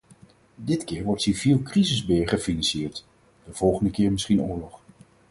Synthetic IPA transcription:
dɪtkɪːɹʋɔɹtsivilˠkrizəzbɪːɹχəfinɑnsɪːɹt | d̥əv̥ɔlˠχəndəkɪːɹmɪsχinʊːɹlɔχ

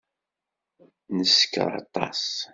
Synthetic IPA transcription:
nəsə̥kːə̰ɾˤɑ̰t̪ˤɑ̰s

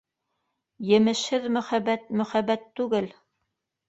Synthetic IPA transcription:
jɘ̆mɘ̆ʃhɘðmɵ̆χæbæt̪̚mɵ̆χæbæt̪ːʉɡɘl

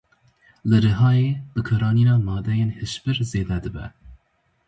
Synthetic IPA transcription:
lɨɾɨɦɑːjeːbɨkʰɨɾɑːniːnɑːmɑːd̪ɛjeːnheʃpɨɾzeːd̪ɛd̪ɨbɛ̰

